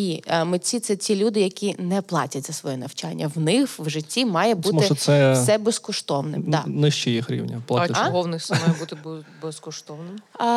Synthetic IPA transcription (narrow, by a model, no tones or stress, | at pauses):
imɪt͡sʲit̪sɛt͡sʲilʲud̪ɪjɐkʲinɛplˠɑ̰tʲɐtʲzɐsʋɔjɛnɐwt͡ʃɑnʲːɐwnɪxwʒɪtʲːimɑjɛbumɔɪɔsɛsɛbɛskɔʃt̪ɔʋnɪ̰mɑnɪʃt͡ʃɛjixɾʲḭwnʲɐplˠaaɦɔwnɪsmɑjɛbut̪ɪbɛskɔʃt̪ɔʋnɪm